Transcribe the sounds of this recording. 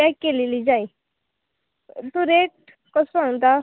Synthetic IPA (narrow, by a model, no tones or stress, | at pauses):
akːelelid͡ʑai | t̪uɾeʈ̚ | kɔsaŋt̪a